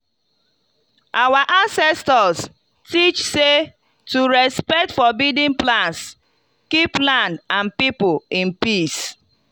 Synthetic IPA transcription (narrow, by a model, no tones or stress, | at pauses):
awaʔãnsɛstɔs | tit͡ʃse | tuɹɛspɛk̚tfɔbidĩnplãns | kiplãndãnpipʊĩnpis